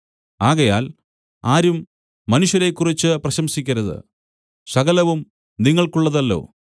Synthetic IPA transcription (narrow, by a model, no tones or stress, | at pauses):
aːɣɐjaːl | aːɾumː | ɐnuɕjɐɾe̞kːurit͡ɕːɨprɐɕɐmsikʲːɐɾɐðɨ̰ | sɐɣɐlɐʋum | niŋːɐɭkuɭːɐðɐlːo̞̰ː